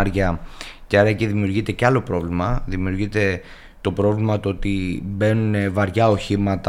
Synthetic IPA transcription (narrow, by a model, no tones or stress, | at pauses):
ɾʝɐceɐɾɐeciðimiuɾʝit̪e̞ceɐlo̞pɾo̞vlimɐðimiuɾʝit̪e̞ | t̪o̞pɾovlimɐt̪oo̞t̪ibe̞nune̞vɐɾʝɐo̞çimɐt̪